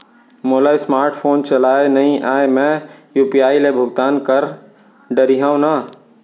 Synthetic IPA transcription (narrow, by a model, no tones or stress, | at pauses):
moːlaːjsmaːɾʈʰpʰoːnt͡ʃɐlaːenɐɦĩʔaːemɛ̃juːpijaːilebʱʊɡt̪aːnkəɾ | ɖəɾiɦaõna